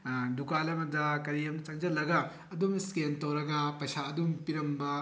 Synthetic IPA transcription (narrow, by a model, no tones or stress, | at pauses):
dukalɐmɐdɐkɐɾijɐmnɐt͡ʃɐŋd͡ʒɐlɐɡɐ | ɐdumskentɐwɾɐɡɐpɐjsaːdumpiɾɐmbɐ